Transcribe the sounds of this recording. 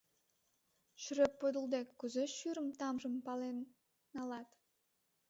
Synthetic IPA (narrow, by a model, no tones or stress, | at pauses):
ʃyɾøpːod̪əlˠd̪ekːuzeʃyɾəmt̪ɑmʒəmpɑlenː | ɑlɑt̪